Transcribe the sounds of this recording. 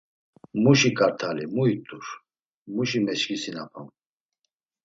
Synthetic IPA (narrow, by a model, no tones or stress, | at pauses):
muʃikʼaɾt̪ʰalimuit̪ʼuɾ | muʃimɛʃkisinapʰam